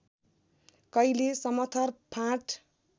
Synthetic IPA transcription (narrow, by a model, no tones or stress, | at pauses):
kʌilesʌmʌt̪ʰʌrpʰãʈ